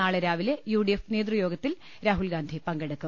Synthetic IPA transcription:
aːɭeɾaːʋilejuːɖijefneːd̪rujo̞ːɡɐt̪ːil | ɾaːɦuɭɡaːnd̪ʱipɐŋɡɐɽɐkːu

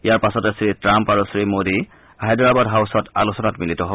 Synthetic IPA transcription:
ijaɹpasɔtɛsɹitɹampaɹusɹimodi | aɦedɔɹabadɦawsɔta̰lusɔnatmilitɔɦo

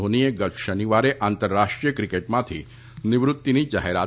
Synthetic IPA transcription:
ɦonijeɡət̪ʃəniʋaɾeʔaːnt̪əɾːaʂʈɾijəkɾikeʈmat̪ʰḭː | niʋɾut̪ːiniːd͡ʒa̰ɦeɾa

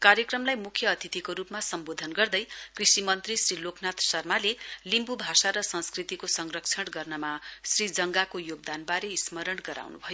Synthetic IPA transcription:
kaɾjʌkrʌmlajmukʰjʌːt̪ʰit̪ikoɾupmasʌmbod̪ʱʌnɡʌrd̪ʌjkrisimʌnt̪risrilokʰnat̪sʌrmalelimbubʱasaɾʌsʌ̃nskrit̪ikosʌŋrʌkt͡sʰʌɽɡʌrnʌmasrid͡zʌŋɡakojoɡ̚d̪anbaɾeismʌɾʌɽɡʌɾa̰wnṵbʱʌjo

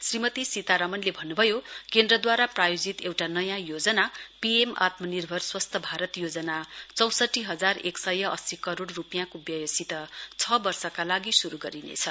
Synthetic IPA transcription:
srimʌt̪isit̪aɾʌmʌnlebʱʌnːubʱʌjokend̪rʌd̪waɾaprajod͡zit̪ewʈanʌjãjod͡zʌnapiema̰t̪mʌnirbʱʌrswʌst̪ʰʌbʱaɾʌt̪jod͡zʌnat͡sʌw̃sʌʈːiɦʌd͡zareksʌjʌʔʌ̰sikʌɾoɽːupijãkobjʌjʌsit̪ʌt͡sʰʌbʌrsʌkalaɡisuɾuɡʌɾinḛt͡sʰʌ

